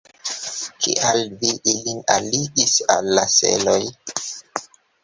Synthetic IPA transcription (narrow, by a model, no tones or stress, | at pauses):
kʰḛʔalviʔilina̰liɡisa̰lːasḛloj